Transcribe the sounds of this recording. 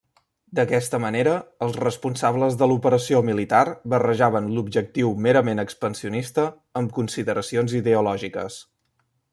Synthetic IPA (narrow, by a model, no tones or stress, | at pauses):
d̪əkɛst̪əməneɾəːlˠzrəspunsaβləzðəlupəɾəsiomilit̪arβərəʒaβənlubʒək̚t̪iwmeɾəmenəkspənsiunist̪ə | əmkunsiðəɾəsionziðeulɔʒikə̰s